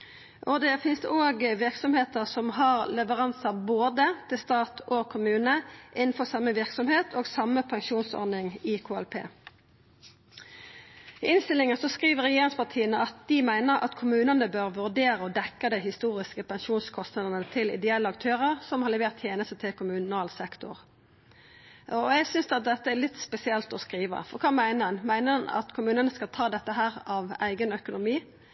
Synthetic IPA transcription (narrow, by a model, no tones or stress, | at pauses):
ʔɔd̪ɛfɪnsd̪ɛoːɡəʋɪʁksɔmheːt̪əʁsɔmɦɑʁlɛʋəʁɑnsɑboːd̪ət̪ʰɪlst̪ɑːt̪ʰokʰʊmʉːnəʔɪnn̩fɔʁsɑmːəʋɪʁksɔmheːt̪ʰoːɡsɑməpʰɑŋʃuːnsɔ̰ʁd̪ɪŋɪkʰoːæ̰lpʰḛː | ɪɪnst̪ɪlɪŋənsɔskʁiːʋəʁɛjeːʁɪŋspɑʁt̪ʰiːənəɑt̪̚d̪̥ɪmæɪnəʁɑ̰t̪kʰʊmʉːnənəbøːʁʋʉʁd̪eːɾəɔd̪ɛkːəd̪ɪɦɪst̪uːʁɪskəpɛnʃuːnskʰɔst̪nɑd̪ənət̪ʰɪlɪ̰d̪ɛɛlːəɑkt̪ʰøːʁəʁsɔmhɑʁlɛʋeːʁt̪ʰjeːnəst̪ət̪ʰɪlkʰʊmʉnɑːlsɛkt̪ʊ̰ʁ | ɔɛɡsʏnsd̪ɑt̪̚d̪ɛt̪ːəælɪt̪spɛsɪɛlt̪ɔskʁiːʋə̰fɔʁkʰɑːmæɪnəɑnmæɪnəɑnɑ̰t̪kʰʊmʉːnənəskɑlt̪ʰɑːd̪ɛt̪ːəɦæːʁɑʋæ̰ɪɡənœkʊnʊmiː